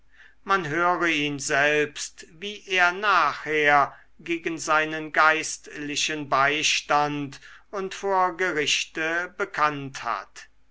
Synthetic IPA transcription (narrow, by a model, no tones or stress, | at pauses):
manɦøːʁəiːnzɛlpstviːʔeːɐnaːχheːɐ | ɡeːɡənzaɪnənɡaɪstlɪʃənbaɪʃtantʊntfoːɐɡəʁɪʃtəbəkʰantha̰t